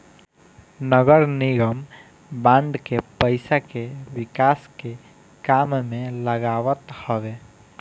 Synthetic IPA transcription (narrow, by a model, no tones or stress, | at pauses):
nəɡəɾnɪɡəm | bãːɳɖ̪kepəɪsakewɪkaːske | kaːmmẽləɡaːwət̪həʋe